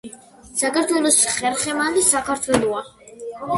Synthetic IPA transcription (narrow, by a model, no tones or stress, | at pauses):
sakʰaɾt̪ʰwɛlˠɔsχɛɾχɛmald̪isakʰaɾt̪ʰwɛlˠɔa